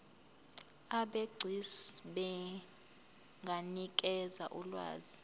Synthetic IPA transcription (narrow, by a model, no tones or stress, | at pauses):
aɓeɡ͡ǀʱisɓɛ | ŋɡʱanik̬ʼɛzaʔulwa̰ːzi